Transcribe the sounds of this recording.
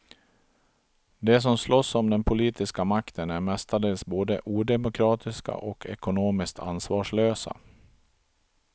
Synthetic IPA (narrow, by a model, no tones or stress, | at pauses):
d̪ɛs̬ɔmslɔsːɔmd̪ɛnpʰʊliːt̪ɪskamakt̪ʰənæɾmɛst̪ad̪eːlsboːd̪əʔuːd̪ɛmʊkʰɾɑːt̪ʰɪska̰ʔɔkʰɛ̰kʊnoːmɪsk̚t̪ʰa̰nsvɑːʂɭøːsa̰